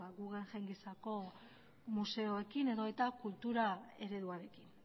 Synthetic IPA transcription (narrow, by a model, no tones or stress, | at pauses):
aɡuɣeŋʝajŋɡesako̞ | muse̞o̞ekine̞ðo̞et̪akult̪uɾae̞ɾe̞ðuaɾe̞kin